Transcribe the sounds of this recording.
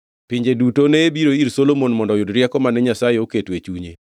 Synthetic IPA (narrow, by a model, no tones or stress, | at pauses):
piɲd͡ʒedutoneːbiɾoiɾsolomonmɔndɔjʊdɾjɛkɔmanɛɲasajeoketwet͡ʃuɲḛ